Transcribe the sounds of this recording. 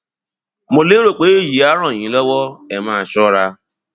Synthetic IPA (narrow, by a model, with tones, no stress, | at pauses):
mo˨le˦ɾo˨k͡pe˨e˦ji˨a˦ɾɔ˨ɲĩ˨lɔ˦wɔ˦e˨ma˦˨t͡ʃɔ˦ɾa˦